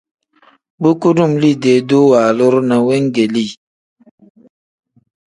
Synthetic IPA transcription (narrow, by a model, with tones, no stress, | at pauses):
bu˦ku˦du˦˨mli˦˨de˨do˦wa˨lo˦ɾna˨wɛ˦ŋ˦ɡe˨li˦˨